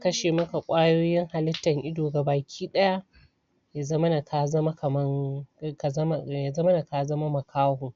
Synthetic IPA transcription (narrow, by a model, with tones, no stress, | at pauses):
kɐ˦ʃeː˨mɐ˦ka˨kʷʼaː˦joː˦jɪ˦ŋha˨lɪ˦tːɐ˨ŋʔɪ˦doː˨ɡa˨baː˨kʲʰiː˦ɗɐ˦ja˦ | ja˨zɐ˦mɐ˦na˨kʰa˨zɐ˦ma˦kɐ˨mɐ˦ŋ˨km˦ja˨zɐ˦mɐ˦na˨ka˨zɐ˦ma˦mɐ˨kʰaː˦hu˨